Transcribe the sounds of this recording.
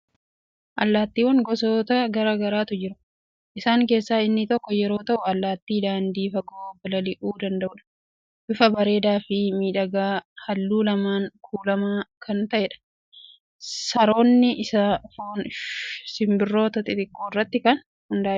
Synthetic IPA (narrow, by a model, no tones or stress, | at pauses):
ʔɐlːaːt̪ːiːwɐŋɡɔsoːt̪ɐɡɐɾaːɡɐɾaːt̪ʊd͡ʒɪɾʊ | ʔɪsaːŋke̞ːsːaːɪnːɪt̪ɔkːɔjɛɾo̞ːt̪ɐʔʊɐlːaːt̪ːiːd̪aːnd̪iːfɐɡoːbɐlɐlɪʔuːd̪ɐnd̪ɐʔʊᶑɐ̥ | bʊfɐbɐɾe̞ːd̪aːfɪmiːᶑɐɡaːhɐlːuːlɐmaːŋkʰuːlɐmaːkʰɐnt̪ɐʔeːᶑɐ̥ | sɐɾo̞ːnːɪɪsɐfoːnsɪmbɪrːo̞ːt̪ɐt̪ʼɪt̪ɪkːoːɪrːɐt̪ːɪkɐn | hʊnd̪aː